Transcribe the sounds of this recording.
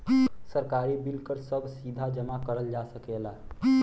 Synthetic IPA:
səɾkaːɾibɪlkəɾsəbʱsiːd̪ʱad͡ʒəmakəɾəld͡ʒaːsəkela

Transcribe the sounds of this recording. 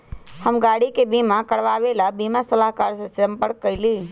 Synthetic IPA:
həmɡaːɽikebimãkəɽʋaːʋelabimasəlaɦkaːɾsãsəmpəɾkːəɪliː

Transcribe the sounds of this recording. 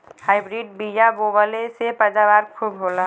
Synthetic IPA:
haɪbɾiɖ̚bijaɡobəlesepəd͡ʒabaːɾkʰuːbɦoːla

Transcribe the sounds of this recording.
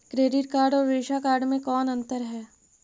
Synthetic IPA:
kɾeːɖɪʈkaːɾɖɔːɾɾeːʃakaːɾɖmẽkɔːnɐ̃nt̪əɾɦɛː

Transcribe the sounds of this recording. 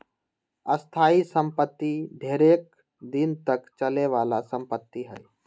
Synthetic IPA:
əst̪ʰaːisə̃mpət̪ːid̪ʱeːɾeːk̚ | d̪int̪əkt͡ʃəleʋaːlasə̃mpət̪ːiɦɛ̰j

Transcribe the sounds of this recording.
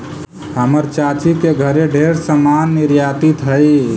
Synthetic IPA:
həməɾt͡ʃat͡ʃikeɡʱəɾeɖʱeɾsəmanːiɾjat̪it̪ɦəɪ

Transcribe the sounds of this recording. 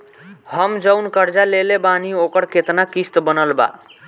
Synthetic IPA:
həmd͡ʒəʊnkəɾd͡ʒalelebaniokəɾket̪nakist̪bənəlba̰

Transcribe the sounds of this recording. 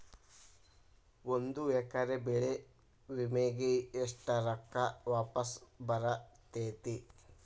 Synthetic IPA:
ond̪uɛkɐɾebeɭe | ʋimeːɡeeʂʈɐɾɐkːɐʋaːpɐsbɐɾɐt̪eːt̪i

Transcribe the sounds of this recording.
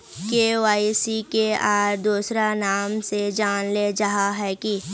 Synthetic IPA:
keːʋaːisikeaːɾd̪uːsɾanaːmsed͡ʒaːnled͡ʒɐɦaɦɛːki

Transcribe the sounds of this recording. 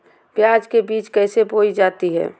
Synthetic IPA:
pjaːd͡ʒkebiːt͡ʃkɛːseboːid͡ʒaːt̪iɦɛ̰ː

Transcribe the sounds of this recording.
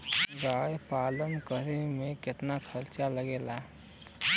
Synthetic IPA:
ɡaːjpaːlənkəɾemẽkɪt̪nakʰəɾt͡ʃaləɡeːlaː

